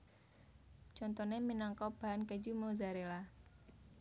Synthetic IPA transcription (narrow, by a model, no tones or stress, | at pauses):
t͡ʃɔnt̪ɔneminaŋkɔb̥a̤ankəd͡ʒumozaɾela